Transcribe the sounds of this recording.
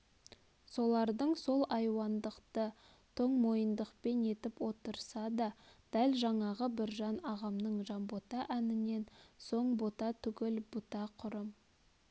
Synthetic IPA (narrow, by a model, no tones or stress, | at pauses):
so̞lˠɑɾd̪əɴso̞lˠɑjwɑnd̪əqt̪ə | t̪ʰo̞ɴmo̞jənd̪əqpe̞ne̞t̪ɪpwo̞t̪əɾsɑd̪ɑd̪̥ælʒɑɴɑʁəbɪɾʒɑnɑʁɑmnəɴʒɑnbo̞t̪ɑʔænɪne̞nso̞ɴbo̞t̪ɑt̪ʰʏɡʲɪlbʊt̪ɑqʰʊɾəm